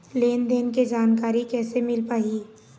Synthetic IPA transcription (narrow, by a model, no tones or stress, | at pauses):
leːnd̪eːnked͡ʒaːnkaːɾikɛːsemɪlpaːiː